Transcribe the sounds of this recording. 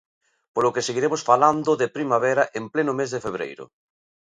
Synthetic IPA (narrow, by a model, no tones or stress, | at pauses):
polokeseɣiɾemosfaland̪ʊðepɾimaβɛɾaʔemplenʊmezðefeβɾḛjɾʊ̰